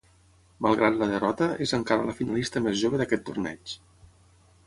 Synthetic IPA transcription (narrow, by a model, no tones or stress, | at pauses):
malˠɣɾat̪ləðərɔt̪əezəŋkaɾələfinalist̪əmezʒoβəðəkɛt̪ːurnɛ̰t͡ʃ